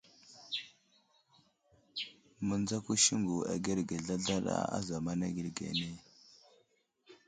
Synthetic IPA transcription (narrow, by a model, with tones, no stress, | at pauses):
mə˨nd͡za˦ku˦ʃi˦ŋɡu˨a̰˨ɡe˦ɾɡe˨ɮa˦ɮa˦ɗa̰˦a̰˦za˨ma˦na˦ɡi˨ɾɡḛ˨ne˦